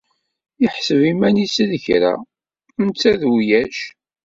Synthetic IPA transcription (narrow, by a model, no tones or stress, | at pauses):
ɪħsəvimænisiðəçɾæ̰ | mt͡sːæðjæʃ